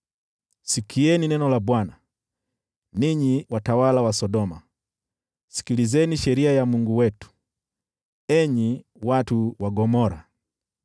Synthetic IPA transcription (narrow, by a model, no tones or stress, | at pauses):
sikʰiɛninɛnɔlabwana | niɲiwatawalawasɔdɔma̰ | si̥kilizɛniʃɛɾiajamuŋɡuwɛtu̥ | ɛɲi | watuwaɡɔmɔɾa̰